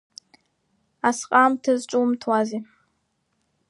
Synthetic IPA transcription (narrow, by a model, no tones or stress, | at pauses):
asqʼaːmtʰɨzt͡ʃʼumtʰwaːziː